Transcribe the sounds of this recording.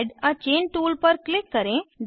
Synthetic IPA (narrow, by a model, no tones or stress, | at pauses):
ɖɐt͡ʃeːnʈuːlpɐɾklɪkːɐɾẽd̪